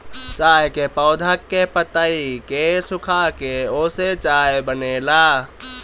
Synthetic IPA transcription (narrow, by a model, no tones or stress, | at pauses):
t͡ʃaːjkepəʊd̪ʱəkːepət̪aikesʊkʰakeoːset͡ʃaːebəneːlaː